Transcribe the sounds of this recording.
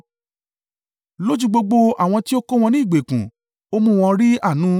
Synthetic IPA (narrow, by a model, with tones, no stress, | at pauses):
lo˦d͡ʒu˦ɡ͡bo˧ɡ͡bo˧a˦˨w̃ɔ̃˧ti˦o˦ko˦w̃ɔ̃˧nĩ˦˨ɡ͡be˨kũ˨ | o˦mũ˦˧w̃ɔ̃˧ɾi˦a˦˨nũ˨˦